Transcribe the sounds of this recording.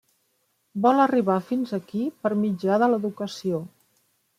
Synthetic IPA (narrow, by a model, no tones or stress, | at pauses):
bɔləriβafinzəkipəɾmid͡ʒaðələðukəsio